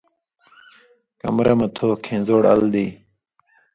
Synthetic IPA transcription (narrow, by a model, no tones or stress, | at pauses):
kɐ̰mɾɐmɐt̪ʰoːkʰẽːnzoːɽɐ̰ld̪iː